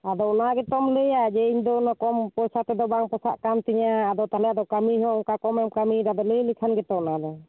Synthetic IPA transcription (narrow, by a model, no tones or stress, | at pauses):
ad̪ɔnaɡɛt̪ɔmləjad͡ʒɛiɲd̪ɔnakɔmpɔjsat̪ɛd̪ɔbaŋpɔsa̰ʔkamt̪ɛɲaːd̪ɔt̪alɛad̪ɔkamiɦɔŋkakɔmɛmkamiɾad̪ɔləjlikʰanɡɛt̪ɔnad̪ɔ